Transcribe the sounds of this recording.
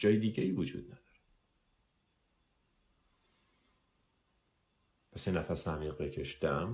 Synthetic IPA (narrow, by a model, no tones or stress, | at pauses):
d͡ʒɒːjed̪iːɟeiːvud͡ʒṵːd̪̥̚næd̪̥ɒːɾe | pʰæsinæfæsæmiːɣbecʰe̞ʃd̪æm